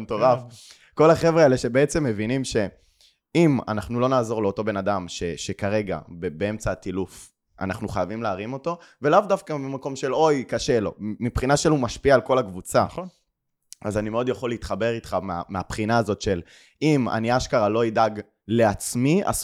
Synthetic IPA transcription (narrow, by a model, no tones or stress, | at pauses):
toʁaf | ko̞laχe̞vʁeeleʃe̞beet͡se̞mːe̞vinimʃe̞ | ima̰naχnulo̞naːzo̞ʁleo̞to̞be̞nad̪amʃeʃekaʁe̞ɡa̰bebee̞mt͡satiluf | ʔa̰naχnuχajavimleːʁimo̞to̞velavdafkamimako̞mʃe̞lo̞jkaʃe̞lo̞̰mipχinaʃelumaʃpiaːlko̞lakvut͡sa | azanimeo̞d̪jaχo̞lit̪χabe̞ʁit̪χamea̰meapχinaːzo̞t̪ʃe̞l | ima̰niaʃkaʁalo̞id̪aɡ | le̞at͡smia̰z